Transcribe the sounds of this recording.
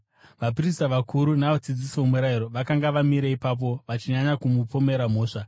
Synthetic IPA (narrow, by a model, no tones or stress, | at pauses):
ʋapiris̬taʋakuɾunaʋad͡zid͡zisiomuɾaiɾo̞ʋakaŋɡaʋamiɾeipap̬o̞ʋat͡ʃiɲaɲakumupo̞me̞ɾam̤o̞ːʂa